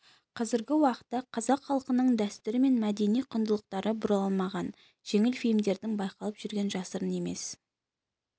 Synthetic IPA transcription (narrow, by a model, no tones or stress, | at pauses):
qʰɑzɪɾɡʲɪwɑqə̥t̪ːɑqʰɑzɑqχɑlˠəqənəɴd̪æst̪ʏɾɪme̞nmæd̪e̞nijqʰʊnd̪əlˠəq̚t̪ɑɾʔəbʊɾlˠɑlmɑʁɑn | ʒ̥e̞ŋɪlfilmd̪e̞ɾd̪ɪŋbɑjqɑlˠəpʒ̥ʏɾɡʲe̞nʒɑsəɾəne̞me̞̰s